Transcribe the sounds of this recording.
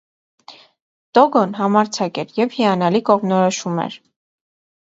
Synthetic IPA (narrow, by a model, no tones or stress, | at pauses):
t̪ɔɡɔnɦɑmɑɾt͡sʰɑkɛɾjɛvhiɑnɑlikɔʁmnɔɾɔʃumɛ̰ɾ